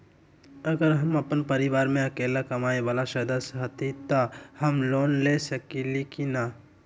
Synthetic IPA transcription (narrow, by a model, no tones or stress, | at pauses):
ɐɡəɾɦɐmɐpənpɐɾɪʋaːɾmẽɐkeːlakɐmaːeʋaːlaʃɐd̪əsɦɐt̪ʰit̪ohɐmloːnlesɐkilikina